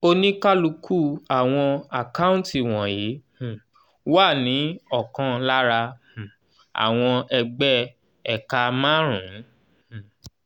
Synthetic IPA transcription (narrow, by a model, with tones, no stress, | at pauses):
o˧nĩ˦ka˦lu˧kʰu˦˨a˨w̃ɔ̃˧a˨ka˦ũ˦nti˦˨w̃ɔ̃˨ji˨˦h | wa˦˨nĩ˨˦ɔ˦˨kã˧la˦ɾã˧˨ | a̰˨w̃ɔ̃˧ɛ˧ɡ͡bɛ˦ | ɛ˨ka˧mã˦ɾ̃ṵ̃˨˦˨